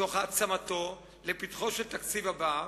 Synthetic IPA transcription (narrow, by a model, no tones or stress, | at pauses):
oχat͡samat̪o | lepit̪χoʃelt̪akt͡sivaba